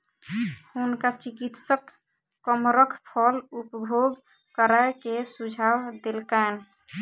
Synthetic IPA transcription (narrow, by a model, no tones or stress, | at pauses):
hunkat͡ʃikit̪səkː | əmɾəkʰpʰɔlupbʱoɡ | kəɾaekesud͡ʒʱawd̪elkajn